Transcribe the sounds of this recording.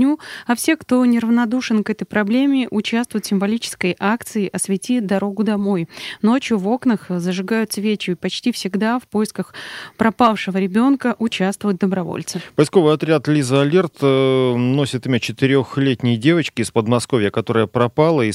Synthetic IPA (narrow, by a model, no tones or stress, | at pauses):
nʲuɐfsʲe̞kt̪o̞nʲɪɾəvnɐd̪uʂɨnkɛt̪əjpɾɐblʲemʲɪʔʊt͡ɕast̪vʊjt̪sʲɪmvɐlʲit͡ɕɪ̥skəjʔak̚t̪sɨɪʔɐsvʲɪtʲid̪ɐɾo̞ɡʊd̪ɐmo̞jno̞t͡ɕjʊvo̞knəxzəʐɨɡajʊt̪svʲet͡ɕjʊpɐt͡ɕtʲifsʲɪɡd̪afpo̞jɪskəxpɾɐpafʂɨvəɾʲɪbʲo̞nkəʔʊt͡ɕast̪vʊjt̪̚d̪əbɾɐvo̰lʲt̪sɨpəjsko̞vɨjɐt̪ɾʲat̪lʲizɐlʲert̪ | no̞sʲɪt̪ɨmʲot͡ɕɪt̪ɪɾʲoxlʲetʲnʲɪjdʲe̞vət͡ɕkʲɪspəd̪mɐsko̞vʲjəkɐt̪o̞ɾəjəpɾɐpɑlˠəi